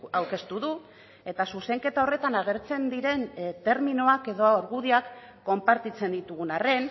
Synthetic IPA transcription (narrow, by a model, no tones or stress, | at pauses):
awke̞st̪uðu | e̞t̪asuse̞ŋke̞t̪ao̞re̞t̪anaɣe̞ɾt͡se̞nd̪iɾe̞nt̪e̞ɾminoake̞ðo̞aoɾɣuðiakː | o̞mpaɾt̪it͡se̞nd̪it̪uɣunare̞n